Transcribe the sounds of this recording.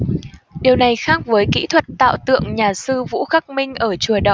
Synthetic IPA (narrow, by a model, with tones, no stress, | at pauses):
ɗi˨˩əwna˨˩jxaː˦˥k̚vəː˨˦jkḭ˧˥t̪ʰwə˨˩t̚t̪a̰ː˧˨wt̪ɨ̰˧˨əŋɲaː˨˩sɨ˧vṵ˧˥xaː˦˥k̚mï˧ŋ̟ʔəː˧˩t͡ɕu˧˩əɗɔ˧˨˩